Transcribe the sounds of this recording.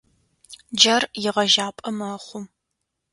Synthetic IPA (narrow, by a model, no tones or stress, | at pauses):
d͡ʒɐrjɪʁɐʒaːpʼɐmɐχʷʊm